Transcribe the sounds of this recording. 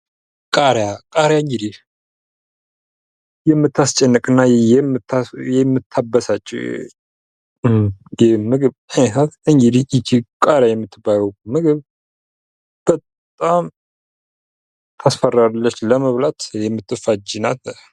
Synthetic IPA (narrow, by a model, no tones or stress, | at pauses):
kʼaɾjakʼaɾjaŋɡid̪i | jɛmːɨt̪ʰːast͡ʃʼɛnːɨkʼɨnːajɛɨt̪ːajɛmːɨt̪ʰːabəsat͡ʃʼːḭ | jɛmɨɡɨβansat̪ɨŋɡid̪iit͡ʃːikʼaɾjajɛmːɨt̪ʰːɨbajəwmɨɡɨβ | b̥ət̪ʼam | t̪ʰasfəralːət͡ʃːləməβlat̪jɛmːɨt̪ːɨfad͡ʒinat̪